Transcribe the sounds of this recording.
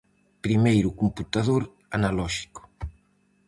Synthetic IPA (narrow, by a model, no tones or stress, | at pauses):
pɾimejɾʊkumput̪aðoɾ | analɔʃi̥kʊ̥